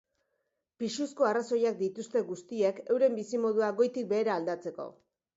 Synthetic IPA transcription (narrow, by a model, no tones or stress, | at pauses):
piʃusko̞araso̞jak̚d̪it̪ust̪e̞ɣust̪ieke̞wɾe̞mbisimo̞ðuaɡo̞jt̪ik̚be̞ːɾaːld̪at͡se̞ko̞̰